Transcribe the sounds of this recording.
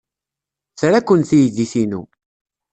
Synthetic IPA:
t͡sɾakʷːənθijðiθinṵ

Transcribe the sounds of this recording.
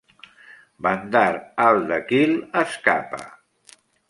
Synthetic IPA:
bənd̪aɾalˠd̪əkiləskapə̰

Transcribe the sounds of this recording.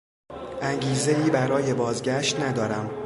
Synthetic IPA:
ʔæŋɟiːze̞iːbæɾɒːje̞bɒːzɟæʃt̪næd̪ɒːɾæm

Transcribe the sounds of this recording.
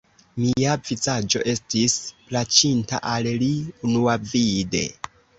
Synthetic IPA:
miavit͡sad͡ʒo̞̰ʔe̞stisplat͡ʃinta̰ʔalliunuavide̞̰

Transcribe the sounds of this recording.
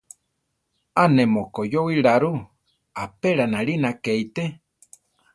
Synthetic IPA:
anemokojowiɺaɾu | apeɺanaɺinakeit̪e

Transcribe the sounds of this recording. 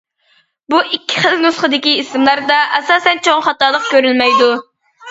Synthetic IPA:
buʔikʲʰːi̥χəlnusχəd̪ɪkʲiisɨmlˠɑɾd̪ɑʔɛsɑːsɛnt͡ʃʰoŋχɑt̪ɑːlˠəq̚kʲøɾylmɛjd̪u

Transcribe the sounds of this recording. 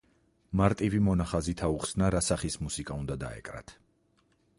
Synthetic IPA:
maɾt̪ʼivimɔnaχazit̪ʰauχsnaɾasaχismusikʼaund̪ad̪a̰ɛ̰kʼɾa̰t̪ʰ

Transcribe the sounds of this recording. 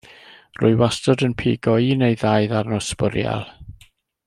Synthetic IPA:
rʊ̰ɨwastɔdənpʰḭːɡɔinejðajðarnɔspʊɾja̰lˠ

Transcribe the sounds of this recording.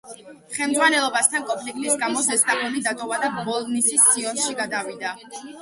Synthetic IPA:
χɛlmd̪zʁwanɛlˠɔbast̪ʰankʼɔmpʰlikʼt̪ʼisɡamɔzɛst̪ʼapʰɔnid̪at̪ʼɔvad̪abɔlˠnisist̪sʼiɔnʃiɡad̪avid̪a

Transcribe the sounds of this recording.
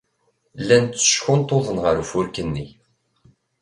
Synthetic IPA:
lːænt̪ːə̥ʃçʊnt̪ˤoðˤənʁəɾufʊɾkənːi

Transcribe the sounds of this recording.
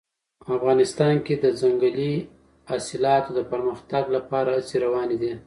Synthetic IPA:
afɣɑnɪst̪ɑnked̪əzaŋɡali | asɪlɑt̪od̪əpəɾməxt̪aɡlapɑɾaseɾawɑned̪i

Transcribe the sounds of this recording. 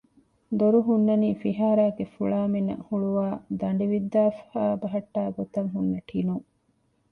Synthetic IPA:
d̪oɾuɦunːɐniːfiɦaːɾaːɡefuɭaːminːɐ̰huɭuʋaːd̪ɐɳɖiʋid̪ːaːfhaːbɐɦɐʈːaːɡot̪ɐŋɦunːɐʈʰinuŋ

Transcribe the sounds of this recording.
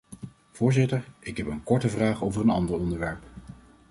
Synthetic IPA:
v̥ʊːɹzɪtəɹɪkɦɛpənkɔɹtəvraːχowvərənɑndəɹɔndəɹʋɛɹp

